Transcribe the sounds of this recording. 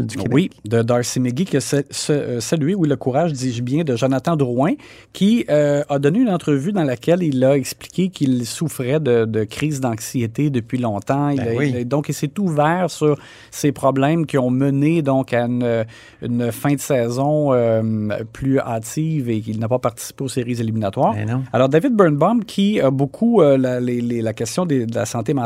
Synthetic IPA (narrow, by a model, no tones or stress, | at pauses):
wid̪əd̪ɑɹksemeɡʲikʲəsɛsəsalyeuiləkuʁaːʒd̪iʒbjɛ̃d̪əʒanat̪ɑ̃d̪əʁwɛ̃ | kʲʰiøad̪ɔneynɑ̃t̪ʁəvyd̪ɑ̃lakʲɛlilaɛkspli̥kʲekʰʲilsufʁɛd̪əd̪əkʁiːzd̪ɑ̃ksijet̪ed̪əpɥilɔ̃t̪ãild̪ɔ̃kesɛt̪uvɛːʁsyʁ | sepʁɔblɛ̃mkʲiɔ̃məned̪ɔ̃kaynø | y̰nfɛ̃d̪əsɛːzɔ̃ø̰pʰlyaːt̪iːvekilnapapaʁt̪i̥si̥peoseʁizeliminat̪waːʁalɔːʁd̪avɪd̪̚bɛnbɔmkʲʰiabokʰuəlalelelakɛst̪jɔ̃d̪ed̪əla̰sɑ̃t̪emɑ̃